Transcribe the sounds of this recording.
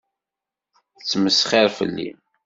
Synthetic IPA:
t͡sːməsχiɾfə̰lːḭ

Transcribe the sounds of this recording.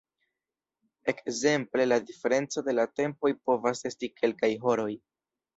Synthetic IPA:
e̞kze̞mple̞ladife̞ɾe̞nt͡so̞de̞late̞mpo̞jpo̞vase̞stikʰe̞lkajɦo̞ɾo̞j

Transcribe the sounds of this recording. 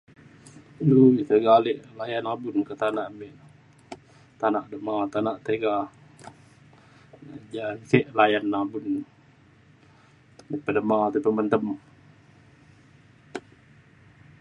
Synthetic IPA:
lut̪əɡaleʔlajanabunkət̪anaʔmeʔ | t̪anaʔdəmat̪anaʔt̪eɡa | d͡ʒaseʔlajanːabun | meʔpədəmat̪upəmənt̪əm

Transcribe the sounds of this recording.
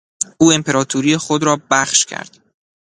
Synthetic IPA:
ʔuːempʰe̞ɾɒːt̪ʰuɾijexod̪ɾɒːbæχʃcʰæ̰ɾd̪̥

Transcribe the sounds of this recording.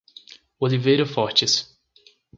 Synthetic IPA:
olivejɾʊfɔɾt͡ʃɪs

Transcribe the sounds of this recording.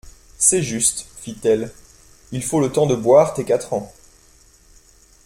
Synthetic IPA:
sɛʒyst̪fit̪ɛl | ilfolət̪ɑ̃d̪əbwaʁt̪ekat̪χɑ̃

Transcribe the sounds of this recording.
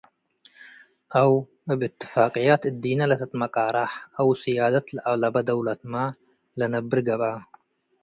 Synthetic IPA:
ʔaw | abʔɨt̪ʰːɨ̥faːqʼijat̪ɨd̪ːinalɐt̪ʰɐt̪mɐkʼaɾaħʔawsijaːd̪at̪lɨʔaβlabɐd̪ɐwlat̪ma | lɐnɐbːɨɾɡɐβa

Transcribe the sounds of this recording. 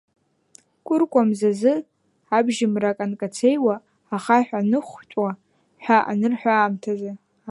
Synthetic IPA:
kʷʼʊrkʷʼamzazɨ | abʒɪmrakʼankʼat͡sʰejwaː | χaħʷᶣanɨχʷt͡ʃʷʼa | ħʷᶣaʔa̰nɨrħʷᶣaːmtʰaza

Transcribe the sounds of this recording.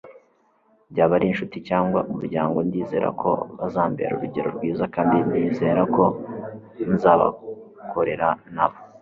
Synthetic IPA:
bɟaːβaɾinʃuticaːŋɡwaumuɾɟaːŋɡo̞ndiːze̞̰ːɾa̰kʰo̞̰βazaːmbḛɾṵɾuɟe̞ɾoɾɡwiːzakaːmbindiːze̞ːɾakʰo̞ | nzaːβa̰ | kʰo̞ɾe̞ɾanaβo

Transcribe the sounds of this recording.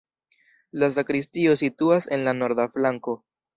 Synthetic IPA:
las̬akɾis̬tio̞situase̞nlano̞ɾd̪aflaŋko̞

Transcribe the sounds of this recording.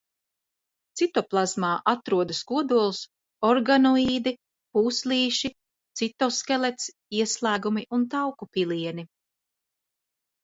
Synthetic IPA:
t̪sit̪ɔplˠazmaːʔat̪ɾuɔd̪ɐskuɔd̪uɔlˠus | ɔɾɡanɔiːd̪i | puːsliːʃi | t̪sit̪ɔskɛlˠet̪s | iɛslˠæːɡumiʔunt̪̬awkupilˠiɛni

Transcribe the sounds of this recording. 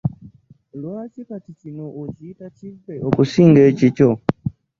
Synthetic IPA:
luat͡ʃikatit͡ʃinɔʔut͡ʃiːtat͡ʃikɛʔɔkusiŋɡɛt͡ʃit͡ʃɔ

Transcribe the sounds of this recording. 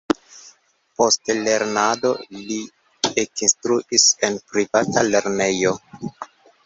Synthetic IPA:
po̞stle̞ɾnado̞̰li | ekinstɾuʔise̞npɾivatale̞ɾne̞jo̞

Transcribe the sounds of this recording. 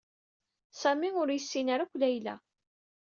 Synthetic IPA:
sæmiʊɾjəsːinaɾakʷːlæjlæ̰

